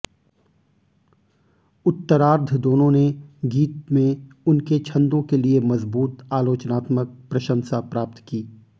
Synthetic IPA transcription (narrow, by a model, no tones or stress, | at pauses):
ʊt̪ːəɾaːɾd̪ʱd̪oːnõneɡiːt̪̚mẽʊnket͡ʃʰɐ̃nd̪õkeliemɐzbuːt̪aːloːt͡ʃnaːt̪mək̚pɾɐʃə̃nsapɾaːp̚t̪kiː